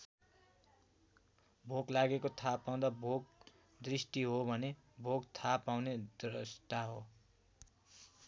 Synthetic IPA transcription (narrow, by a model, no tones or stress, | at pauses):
bʱoɡlaɡekot̪ʰapaw̃d̪abʱoɡ | d̪risʈiɦobʱʌne | bʱoɡt̪ʰapaw̃ned̪rʌst̪aɦo